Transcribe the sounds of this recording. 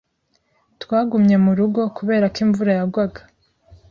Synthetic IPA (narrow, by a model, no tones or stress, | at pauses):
twaːɡumɲe̞muɾuɡo̞kuβe̞ːɾakiːɱvuɾajaɡwaɡḁ